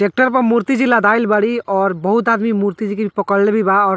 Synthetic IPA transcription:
sek̚ʈəɾpəɾmuɾt̪id͡ʒilad̪ajlbəɽiɔːɾbəɦut̪ad̪mimuɾt̪id͡ʒikeipəkəllebʱibaɔːɾ

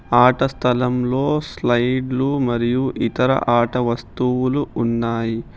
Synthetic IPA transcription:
aːʈɐst̪ʰɐlɐmlo̞ːslɐjɖlumɐɾijuʔit̪ɐɾɐ̰ʔaːʈɐʋɐst̪uwuluʔunːaːji

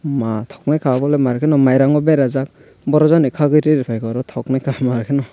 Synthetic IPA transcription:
matʰɔk̚najkʰabɔlemaɾkʰenɔmajɾaŋɔbeɾazak̚ | bɔɾɔzɔnikʰaɡɯjɾɯɾipʰajkɔɾɔtʰɔknajkʰamaɾkʰenɔ

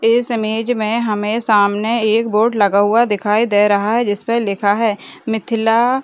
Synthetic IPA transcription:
ɪsəmeːd͡ʒmẽɦɐmẽsaːmneeːkboːʈləɡaɦʊad̪ɪkʰaːid̪eɾɐɦaɦɛd͡ʒɪspəlɪkʰaɦɛːmɪt̪ʰɪlaː

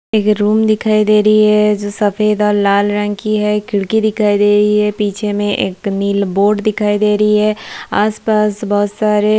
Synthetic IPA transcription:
eːkɾuːmd̪ɪkʰaːid̪eːɾəiɦɛd͡ʒoːsɐfeːd̪ɔːɾlaːlɾə̃ŋkiɦɛkɪɽkid̪ɪkʰaːid̪eːɾəiɦɛpiːt͡ʃʰemẽʔeːkniːlboːɖd̪ɪkʰaːid̪eːɾəiɦɛaːspaːsbɔɦʊt̪saːɾe

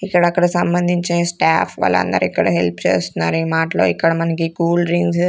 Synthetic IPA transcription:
ikːɐɽɐɐkːɐɽɐsɐmbɐnd̪ʱiɲt͡ʃesʈaːfʰʋa̰ːlːɐ̰nd̪ɐ̰ɾuikːɐɽɐ̰ɦelpt͡ʃḛːst̪unːaːɾuiːmaːʈɐlo̞̰ːikːɐɽɐmɐnɐk̬ikuːlɾiŋɡs

